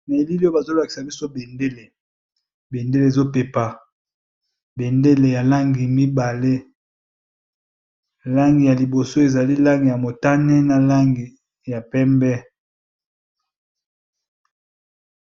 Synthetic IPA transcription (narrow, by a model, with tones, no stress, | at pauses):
me˨li˦li˦o˦ba˨zo˦la˨ki̥˨sa˨bi˦so˦be˨nde˦le˨ | be˨nde˦le˨e˨zo˦pe˨pa˨ | be˨nde˦le˨ja˨la˦ŋɡi˨mi˦ba˨le˦ | la˦ŋɡi˨ja˨li˨bo˨so˦e˨za˨li˦la˦ŋɡi˨ja˨mo˨ta˦ne˦na˨la˦ŋɡi˨ | ja˨pɛ˦mbɛ˦